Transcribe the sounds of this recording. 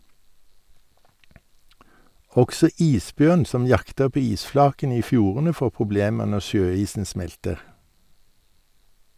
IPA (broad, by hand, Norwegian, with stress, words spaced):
ˈɔksɔ ˈiːsˌbjœn ˈsɔm ˈjɑktə ˈpoː ˈiːsˌflɑːkən ˈiː ˈfjuːʁənə ˈfoː pʁʊˈbleːmə ˈnɔ ˈʃøːˌiːsn̩ ˈsmɛltəʁ